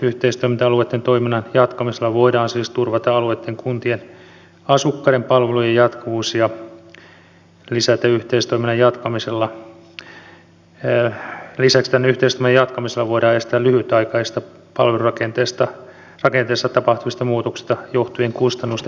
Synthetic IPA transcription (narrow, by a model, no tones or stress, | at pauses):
yht̪eist̪oimint̪ɑɑluet̪ːent̪oiminːɑnjɑt̪kɑmiselːɑʋoidɑːnsiːst̪urʋɑt̪ɑɑluet̪ːeŋkunt̪ien | ɑsukːɑɾempɑlʋelujejɑt̪kuʋuːsjɑ | lisæt̪æyht̪eist̪oiminːɑjɑt̪kɑmiselːɑ | lisækst̪ænːeyht̪eist̪oimnɑjɑt̪kɑmiselːɑʋoiɾɑːest̪æːlyhyt̪ɑikɑist̪ɑ | pɑlʋelurɑkent̪eːst̪ɑ | rɑkent̪eːst̪ɑt̪ɑpɑht̪uʋist̪ɑmuːt̪oksi̥st̪ɑjoht̪ujeŋkust̪ɑnːust̪e